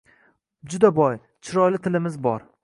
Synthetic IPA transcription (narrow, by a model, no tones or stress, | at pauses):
d͡ʒʊd̪abɒj | t͡ʃʰɪɾɒjlɪt̪ʰɪlɪmɪzbɒɾ